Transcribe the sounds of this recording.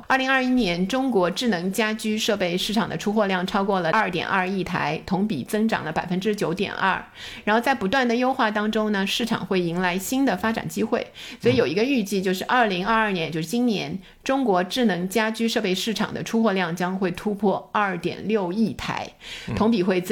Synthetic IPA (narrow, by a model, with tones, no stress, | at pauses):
a˥˩li˧˥ŋɐ˞˥˧i˥njɛ˧˥nʈ͡ʂʊ˥ŋkwɔ˧˥ʈ͡ʂɻ̩˥˩nɤ˧˥ŋt͡ɕja˥t͡ɕy˥ʂɤ˥˧pe˥˧ɪʂɻ̩˥˩ʈ͡ʂʰɑ˨˩ŋd̪ə̰˦ʈ͡ʂʰu˥xwɔ˥˧ljɑ˥˩ŋʈ͡ʂʰɑ˥ʊkwɔ˥˩lə˩ɐ˞˥˩t̪jɛ̰˨˩nʔɐ˞˥˧i˥˩t̪ʰa̰˧˥ɪt̪ʰʊ˧˥ŋpḭ˨˩t͡sɤ˥ŋʈ͡ʂɑ̰˨˩ŋlə˦pa˨˩ɪfə˥nʈ͡ʂɻ̩˥t͡ɕjo˧˥ʊt̪jɛ̰˨˩nɐ̰˥˩ | ɻa˧˥nxo˥˧ʊt͡sa˥˩ɪpu˧˥t̪wa˥˩nd̪ə˩jo˥ʊxwa˥˩t̪ɑ˥ŋʈ͡ʂʊ˥ŋnə˨ʂɻ̩˥˩ʈ͡ʂʰɑ̰˨˩ŋxwe˥˩ɪi˧˥ŋla˧˥ɪɕi˥nd̪ə˨fa˥ʈ͡ʂa̰˨˩nt͡ɕi˥xwe˥˩ɪswɔ˧˥i˨˧˥jo˨˩i˧˥ɡə˧y˥˧t͡ɕi˥˧t͡ɕjo˥˧ʊʂɻ̩˥˧ʔɐ˞˥˩li˧˥ŋɐ˞˥˧ɐ˞˥˩njɛ˧˥nt͡ɕjo˥˧ʊʂɻ̩˥˩t͡ɕi˥nnjɛ̰˧˥n | ʈ͡ʂʊ˥ŋkwɔ˧˥ʈ͡ʂɻ̩˥˩nɤ˧˥ŋt͡ɕja˥t͡ɕy˥ʂɤ˥˧pe˥˧ɪʂɻ̩˥˩ʈ͡ʂʰɑ̰˨˩ŋd̪ə̰˦ʈ͡ʂʰu˥xwɔ˥˧ljɑ˥˩ŋt͡ɕjɑ˥ŋxwe˥˩ɪt̪ʰu˥pʰwɔ˥˧ɐ˥˩t̪jɛ̰˨˩nljo˥˧ʊi˥˩t̪ʰa̰˧˥ɪt̪ʰʊ˧˥ŋpi˨˩xwe˥˩ɪ